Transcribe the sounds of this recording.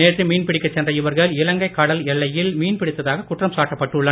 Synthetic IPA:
eːʈrɯmiːnpɪɽɪkːɐt͡ʃːɛndrɐɪʋɐɾɣɐɭɪlɐŋɡɐɪkːɐɽɐlɛɭːɐjɪlmiːnpɪɽɪt̪ːɐðaːɣɐkʊʈrɐmsaːʈːɐpːɐʈːɯɭːɐ

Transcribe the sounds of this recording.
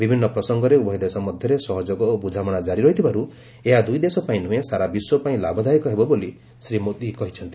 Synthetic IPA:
bibʱinːɔpɾɔsɔŋɡɔɾeubɔɦid̪esɔmɔd̪ʱjɔɾesɔɦɔd͡ʒoɡɔobud͡ʒʱamɔɽ̃ad͡ʒaɾiɾɔɦit̪ʰibaɾu | eɦad̪ujd̪esɔpaĩn̤ũẽsaɾabiswɔpaĩla̰bʱɔd̪ʱaikɔɦebɔboli | sɾimot̪ikɔɦit͡ʃʰɔnt̪i̥

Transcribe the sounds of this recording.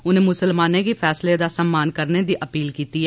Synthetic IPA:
ʊnẽːmʊsəlmaːnẽːkipʰɛːsled̪aːsəmːaːnkəɾned̪iːʔəpiːlkiːt̪iːɛ

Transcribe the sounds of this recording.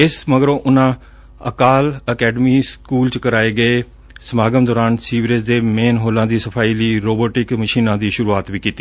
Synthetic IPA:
ɪsməɡɾõːʔʊnãː | əkaːləkɛːɖmiːskuːlt͡ʃkəɾaːeːɡəeː | səmaːɡəmd̪ɔːɾaːnsiːʋiɾesd̪eːmeːnɦoːlãːd̪iːsəpʰaːiːliːɾoːboːʈɪkməʃiːnãːd̪iːʃʊɾuːaːt̪ʋiːkiːt̪iː

